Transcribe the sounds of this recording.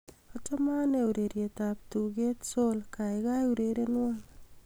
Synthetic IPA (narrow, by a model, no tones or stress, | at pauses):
ɔtɔmaneuɾeɾjetap̚tuɡetsolkajkajuɾeɾenwal